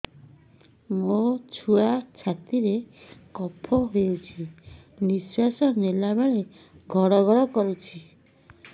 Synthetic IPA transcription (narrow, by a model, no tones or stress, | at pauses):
mot͡ʃʰuat͡ʃʰat̪iɾekɔpʰɔɦout͡ʃʰi | niswasɔnelabaɭe | ɡʱɔɽɔɡʱɔɽɔkɔɾut͡ʃʰi